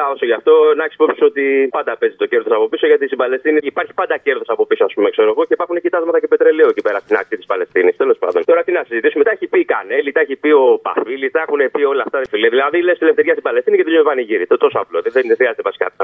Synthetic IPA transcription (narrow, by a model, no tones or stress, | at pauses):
ɐo̞soʝɐft̪o̞nɐçispo̞psi̥so̞t̪ipɐnd̪ɐpe̞zit̪o̞ce̞ɾðo̞sɐpo̞piso̞ʝɐt̪ist̪ibɐle̞st̪iniːpɐɾçi̥pɐnd̪ɐce̞ɾðo̞sɐpo̞pisoɐspume̞kse̞ɾo̞ɣo̞ceipɐɾxunecit̪ɐzmɐt̪ɐcepet̪ɾe̞leot̪ipeɾɐst̪inɐk̚t̪it̪ispɐle̞st̪inist̪e̞lo̞spɐ̰nd̪o̞nt̪o̞ɾɐt̪innɐsizit̪isumet̪ɐeçipika̰nelit̪ɐeçipio̞pa̰filisɐexunepio̞lɐft̪ɐðfiliɐðilɐðilest̪ilefθeɾʝɐst̪ibɐle̞st̪iniceðezumepɐniʝiɾit̪ot̪o̞soɐploðeðenexɾiɐzet̪epɐsi̥kɐ̰t̪i̥